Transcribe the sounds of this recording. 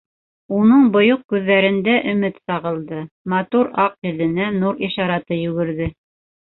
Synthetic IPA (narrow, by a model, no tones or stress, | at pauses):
unɤɴbŏjoq̚kʉðːæɾɘ̆nd̪æʔɵ̆mɘt̪sɑʁɤ̆lˠd̪ɤmɑt̪uɾɑqjɘ̆lɘ̆nænuɾiʃɑɾɑt̪ɤjʉɡɘ̆ɾðɘ